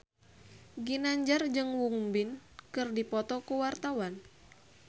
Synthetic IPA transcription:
ɡinaɲd͡ʒard͡ʒɨŋwuŋbinkɨrdipɔt̪ɔkuwart̪awan

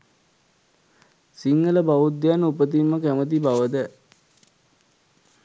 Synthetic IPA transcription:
siŋːələbaʋud̪ːjanupət̪imːəkæmət̪̬ibaʋəd̪ə

